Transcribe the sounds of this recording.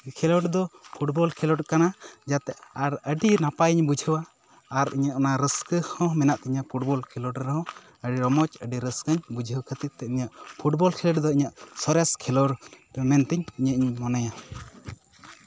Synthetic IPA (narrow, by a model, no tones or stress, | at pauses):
kʰɛlɔʈd̪ɔpʰuʈ̚bɔlkʰɛlɔʈkanad͡ʒat̪ɛʔaɾəɖinapajiɲbud͡ʒʱəwaː | ɾḭɲaʔnaɾəskəhɔ̃mɛnaʔt̪iɲapʰuʈ̚bɔlkʰɛlɔʈɾɛɦɔ̃ | əɖiɾɔmɔt͡ʃəɖiɾəskəɲbud͡ʒʱəwkʰət̪it̪̚t̪ːɛiɲaʔpʰuʈ̚bɔlkʰɛlɔʈd̪ɔiɲaʔsɔɾɛskʰɛlɔɽ | mɛnt̪ɛɲiɲəʔiɲmɔnaja